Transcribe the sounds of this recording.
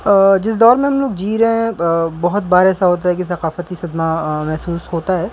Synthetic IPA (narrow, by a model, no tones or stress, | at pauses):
d͡ʒɪs̬d̪ɔːɾmẽɦɐ̃mloːɡ̚d͡ʒiːɾɦɛɦɛ̃bɐɦʊt̪baːɾeːsaɦoːt̪̬aɦɛk̬isɐqaːfət̪isɐd̪mamɛɦsuːsɦoːt̪aɦɛː